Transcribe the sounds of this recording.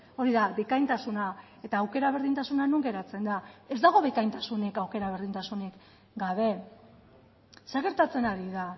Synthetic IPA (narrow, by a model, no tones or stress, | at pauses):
o̞ɾiðaβekajnt̪asuna | e̞t̪aːwke̞ɾaβ̞e̞ɾðint̪asunanuŋɡe̞ɾat͡se̞nd̪ae̞zd̪aɣo̞βekajnt̪asune̞kawke̞ɾaβeɾðint̪asunik | ɡaβ̞e̞ | seaɣe̞ɾt̪at͡se̞naɾiða